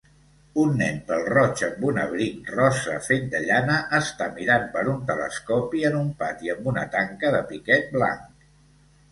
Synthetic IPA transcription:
unːɛ̰mpəlˠrɔt͡ʃəmbunəβɾinrɔsə̰feʎd̪əʎanəʔəst̪amiɾampəɾunt̪ələ̰skɔpiənumpat̪iəmbunə̰t̪aŋkəðəpikɛt̪̚bla̰ŋk

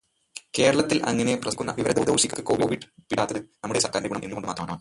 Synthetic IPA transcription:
ke̞ːɾɐɭɐt̪ːilʔɐ̰ŋːɐne̞prɐskʲːunːɐ̰ʋiʋɐɾɐd̪ɐud̪oːɕikʲːukːekoːʋoːʋiɖpiɽaːt̪ːɐðɨnɐmːuɽesɐrkaːɾndeɡuɳɐmʔenːuko̞ɳɖɨmaːt̪rɐmːanɐmaː

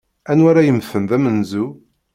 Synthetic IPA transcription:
ænwæɾæjəmθəmðæmənzu

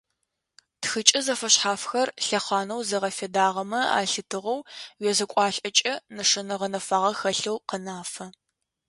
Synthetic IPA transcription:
txɨt͡ʃʼɪzɐfɐɕħaːfxɐrɬɐχɑːnɐwzɐʁɐfedaːʁɐmɐa̰ːɬɨtʰɨʁɐwwɛzɐkʷʼɑːɬʼɐt͡ʃʼɐnɨʂɐnɐʁɐnɐfaːʁɐxɐɬɐwqənaːfɐ

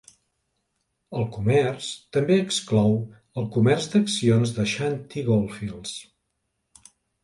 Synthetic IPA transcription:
əlˠkumɛrst̪əmbeəksklɔw | əlˠkumɛrzd̪əksionzðəʃant̪iɣolˠfilˠs

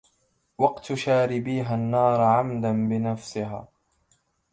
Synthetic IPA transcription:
wɑqt̪ʃaːɾɪbiːɦanːɑːɾˤʕamd̪anbɪnafsɪɦa̰ː

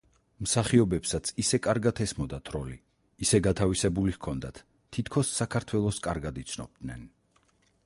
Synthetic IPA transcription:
msaχiɔbɛpsat̪sʰisɛkʼaɾɡat̪ʰɛsmɔd̪at̪ʰɾɔliː | sɛɡat̪ʰavisɛbulihkʰɔnd̪at̪ʰː | it̪ʰkʰɔsːakʰaɾt̪ʰwɛlˠɔskʼaɾɡad̪it̪sʰnɔ̰b̚d̪nɛ̰n

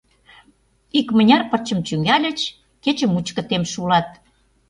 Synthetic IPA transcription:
ikmə̆nʲɑrpə̆rt͡ɕə̆mt͡ɕyŋɡælʲə̆t͡ɕ | ket͡ɕə̆mut͡ɕkə̆t̪emʃulɑt̪̚

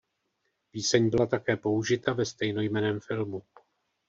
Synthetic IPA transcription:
piːsɛɲbɪlat̪akɛːpo̞uʒɪt̪avɛst̪ɛjno̞jmɛnɛːmfɪlmu

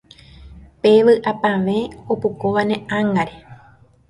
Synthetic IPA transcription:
peʋɨʔapãʋẽ̞opukoʋanẽãŋaɾe

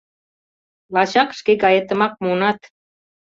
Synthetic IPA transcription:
lɑɕɑkʃkeɡɑjet̪ə̆mɑk̚munɑt̪

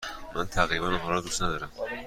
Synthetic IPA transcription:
mʔænt̪ʰæɣɾibænaɦɒːlɒd̪ust̪næd̪ɒːɾæm

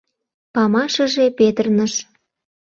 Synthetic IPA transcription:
pɑmɑʃə̆ʒepet̪ərnəʃ

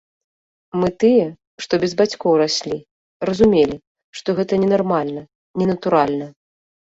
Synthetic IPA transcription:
mɨt̪ɨjɛ | ʂt̪ɔbʲɛzbat͡sʲkɔwɾasʲlʲi | ɾɐzumʲelʲi | ʂt̪ɔɣɛt̪ɐnʲɛnarmalʲnɐ | nʲɛnɐt̪uɾalʲnɐ

